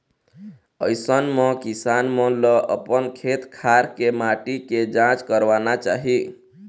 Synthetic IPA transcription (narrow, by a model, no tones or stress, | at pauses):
əjsənmə̃kisanmə̃ləʔəpənkʰet̪kʰaɾkemaʈiked͡ʒãt͡ʃkəɾʋanat͡ʃa̰ɦi